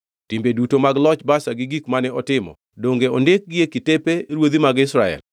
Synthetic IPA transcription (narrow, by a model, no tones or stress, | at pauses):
tɪmbedutomaɡlɔt͡ʃbasaɡɪɡikmanɛɔtɪmɔ̰ | doŋɡeondek̚ɡɪekɪtepeɾwod̪imaɡɪsɾaɛ̰l